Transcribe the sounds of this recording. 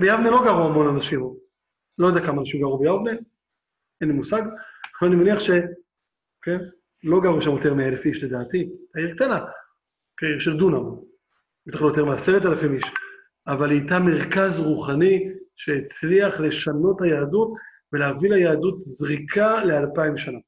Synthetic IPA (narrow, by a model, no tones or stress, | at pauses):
bejavnelo̞ɡaʁuamo̞nanaʃim | lo̞jodeakamaːnaʃimɡaʁubejavne | enimusaɡvalanimeniaχʃe̞ | oken | lo̞ɡaʁuʃamjo̞t̪emeaelefiʃle̞d̪aːtitaiʁk̚t̪ana | keʃeldunamon | et̪aχljotemeaseʁetalafimiʃ | avalijtame̞ʁkazʁuχaniʃe̞it͡sliaχle̞ʃano̞thajaːdutve̞leavilajaːdutzʁikʰale̞alpaimbʃana